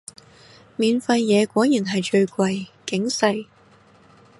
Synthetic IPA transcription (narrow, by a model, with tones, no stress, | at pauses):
miː˨nfɐ˧jːɛː˨˧kʷɔː˨˥jiː˨˩nɦɐ˨˩jt͡ʃɵ˧ɥkʷɐ˧jkɪ˨˥ŋsɐ˧j